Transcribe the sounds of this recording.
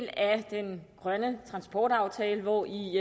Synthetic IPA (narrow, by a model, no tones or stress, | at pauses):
l̰æd̥enɡ̥ʁɶnət͡sʰʁɑ̈nsb̥ɒːd̥ɑ̈ʊt͡sʰɛːləʋɒʔi